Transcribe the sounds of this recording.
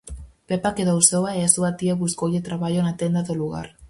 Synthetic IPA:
pepakeðoausowaeasuβat̪iaβuskojet̪ɾaβajonat̪end̪aðoluɣa̰r

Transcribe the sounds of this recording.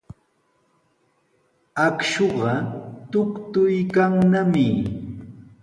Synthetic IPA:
akʃoɢɑt̪ʊkt̪ʊjkaŋnamɪ

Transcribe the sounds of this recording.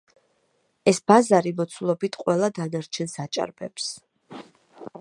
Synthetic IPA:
ɛsbazaɾimɔt̪sʰulˠɔbit̪ʰqʼwɛlˠad̪anaɾt͡ʃʰɛnsat͡ʃʼa̰ɾbɛps

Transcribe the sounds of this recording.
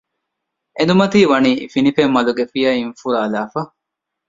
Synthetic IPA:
end̪umɐt̪iːʋɐniːfinifemːɐluɡefijɐinfuɾaːlaːfɐ

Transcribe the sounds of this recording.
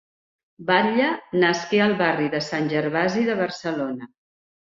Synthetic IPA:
baʎənəskeəlˠβariðəsanʲʒəɾβaziðəβərsəlonə

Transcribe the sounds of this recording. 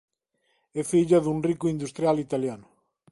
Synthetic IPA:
ɛfiʎaðuŋrikʊind̪ust̪ɾjalit̪aljanʊ

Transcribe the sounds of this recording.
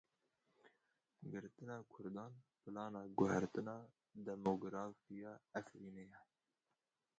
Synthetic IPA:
ɡɨɾt̪ɨnɑːkʰʊɾd̪ɑːnpɨlɑːnɑːɡʊhæɾt̪ɨnɑː | d̪ɛmoːɡɾɑːfijɑːæfɾiːnejɛ

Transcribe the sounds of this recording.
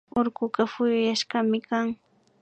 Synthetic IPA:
oɾɢʊɢafʊjʊjaʃɢɑmɪkaŋ

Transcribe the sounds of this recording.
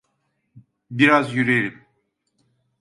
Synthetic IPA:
biɾazjyɾelʲim

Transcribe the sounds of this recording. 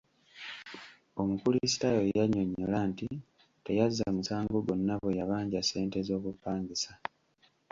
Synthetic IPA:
o̞mukulisi̥tajo̞jaɲo̞ɲːolanti | te̞jazːamusaːŋɡo̞ɡo̞nːaβo̞jaβaːɲɟase̞ːnte̞zo̞ːkupːaːŋɡisa

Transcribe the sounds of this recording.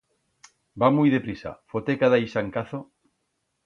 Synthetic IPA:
bamujðepɾisa̰fot̪ekaðajsaŋkaθo

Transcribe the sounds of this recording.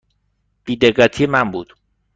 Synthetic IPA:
b̥iːd̪eɢːæt̪ʰijemæmbuːd̪̥

